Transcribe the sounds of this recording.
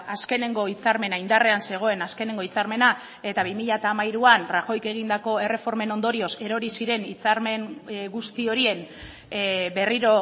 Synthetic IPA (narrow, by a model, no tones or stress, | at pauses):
aske̞ne̞ŋɡo̞it͡saɾme̞naind̪are̞anse̞ɣ̞o̞e̞naske̞ne̞ŋɡo̞it͡saɾme̞na | e̞t̪aβimiʎat̪aːmajɾuanraxo̞jke̞ɣ̞ind̪ako̞e̞re̞fo̞ɾme̞no̞nd̪o̞ɾio̞se̞ɾo̞ɾisiɾe̞nit͡saɾme̞ŋɡust̪io̞ɾie̞n | be̞riɾo̞